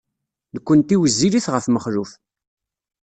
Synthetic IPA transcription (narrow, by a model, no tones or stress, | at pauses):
ðəkʷːənt̪iwəzːiliθʁəfməχɾuf